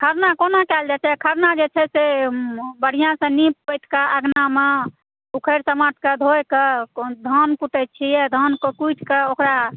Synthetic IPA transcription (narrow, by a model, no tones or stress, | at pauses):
kʰəɾnakonakɛld͡ʒat͡ʃɛkʰəɾnad͡ʒet͡ʃʰɛse | bəɽ̤ijãsə̃nippəjt̪ʰkaʔəɡname | ukʰəɾsəmaʈ̚ʰked̪ʱojkəd̪ʱənkuʈ̪ət̪̚t͡ʃʰijɛd̪ʱənkkujʈʰkeokɾa